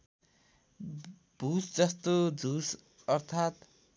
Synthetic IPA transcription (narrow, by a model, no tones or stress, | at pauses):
b̥ʱusd͡zʌst̪od͡zʱus | ʌrt̪ʰat̪